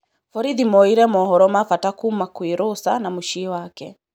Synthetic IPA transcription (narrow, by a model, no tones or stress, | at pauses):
fɔɾiðimɔiɾɛmɔɦɔɾɔmafatakumakuiɾusanamuʃiwakɛ